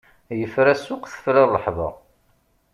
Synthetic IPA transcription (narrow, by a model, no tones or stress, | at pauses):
jəfɾæsʊqθə̥fɾɑlˤːəħðˤɑ̰